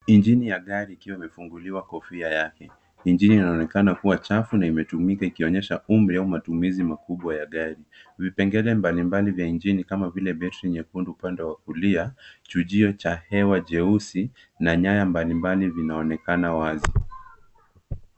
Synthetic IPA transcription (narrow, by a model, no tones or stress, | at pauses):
ind͡ʒinijaɠaɾiːkiwaimɛfuŋɡuliwakɔfiajakɛ | ind͡ʒiniːnaɔnɛkanakuwat͡ʃafunaimɛtumikaikiɔɲɛʃaumɾiaumatumizimakuɓwajaɠaɾivipɛŋɡɛlɛmbalimbalivjaind͡ʒinikamavilɛbɛtɾiɲɛkunduupandɛwak̚uliat͡ʃuʄiɔt͡ʃahɛwaʄɛusi | naɲajambalimbalivinaɔnɛkanawazi